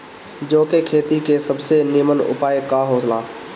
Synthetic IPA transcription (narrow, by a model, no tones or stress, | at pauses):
d͡ʒoːkekʰeːt̪ikesəbsenɪmənʊ̰paːjkaɦoːslaː